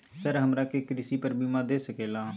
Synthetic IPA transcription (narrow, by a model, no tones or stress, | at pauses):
səɾɦəmɾaːkekɾɪsiːpəɾbiːmãːd̪eːsəkeːlãː